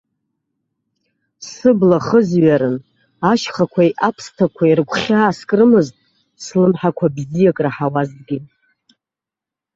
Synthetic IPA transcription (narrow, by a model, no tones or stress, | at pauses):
sɨblaχəzɥaɾɨn | aʃχakʷʰajʔapʰstʰakʷʰairɡʷʰʼχʲaːskʼrɨmɨztʼ | slɨmħakʷʰabzijakʼraħawazɡʲi